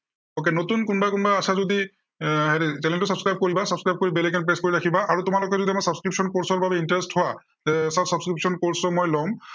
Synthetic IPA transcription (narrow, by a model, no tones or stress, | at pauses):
ok̬enotunkunbajkunbajasazodi | ɦɛɾisɛlɛntʊsabskɹajb̚koɹibasabskɹajb̚koɹibelɛkɛnpɹeskoɹiɹakʰibaaɹutʊmalok̬ɛzodiamasabskɹipsɔnkoɹsɔɹbʱabɛintaɹesthʊwa | zɛsasabskɹipsɔnkoɹsɔmojlɔm